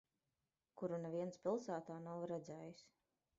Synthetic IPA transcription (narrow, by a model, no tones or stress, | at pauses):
kuɾunɛviɛnspʲilˠsaːt̪aːnawɾɛd̪zɛːjus